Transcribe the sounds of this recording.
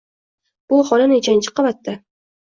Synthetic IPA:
b̥ʊχɒlanɪt͡ʃʰant͡ʃʰɪ̥qʰɑvat̪ːɪ

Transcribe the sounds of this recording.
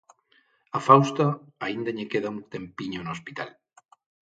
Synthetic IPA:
afawst̪aaind̪ɐʎekeðauŋt̪empiɲonoospit̪a̰l

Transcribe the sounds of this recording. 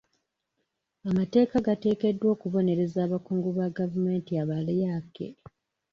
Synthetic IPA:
amate̞ːkaɡate̞ːke̞dːwo̞ːkuβo̞ne̞ɾe̞zaːβakuːŋɡuβaɡavume̞ːntiaβalejakḛ

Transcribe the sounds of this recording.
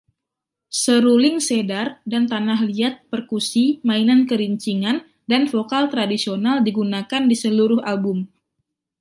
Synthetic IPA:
səɾulɪŋsedardant̪anaɦliat̪̚pərkusimainankəɾiɲt͡ʃiŋan | danfokalt̪ɾadisionaldiɡunakandisəluɾʊhalbʊm

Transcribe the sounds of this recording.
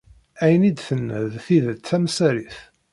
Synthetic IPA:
æjənid̪θənːə̰ðθiðət͡sːæmsæɾiθ

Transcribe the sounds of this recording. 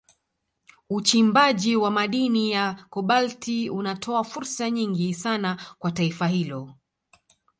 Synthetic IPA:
ut͡ʃimbaʄiwamaɗinijakɔɓaltiunatʰɔafuɾsaɲiŋɡisanakwataifahilɔ

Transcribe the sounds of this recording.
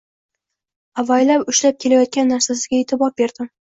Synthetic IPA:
avajlapʊʃlap̚kʲʰe̞lajɒt̪̚kʲanːaɾsasɪɡʲaet̪ʰɪbɒɾ̚be̞ɾd̪̥ɪm

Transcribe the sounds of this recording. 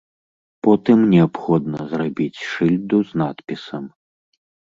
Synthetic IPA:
pɔt̪ɨmnʲɛapxɔd̪nɐzrabʲit͡sʲʂɨlʲd̪uznat̪pʲisɐm

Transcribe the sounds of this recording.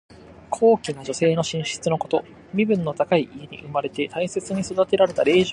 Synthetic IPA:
kʰo̞ːkʲinad͡ʑo̞se̞ːno̞ɕĩɰ̃ɕi̥t͡sɨno̞ko̞t̪o̞ | mʲibɯ̟̃nːo̞t̪akaiʔie̞ɲ̟ḭʔɯ̟maɾe̞t̪e̞t̪ʰaise̞t͡sɨɲ̟iso̞d̪at̪e̞ɾaɾe̞t̪aɾe̞ːʑo

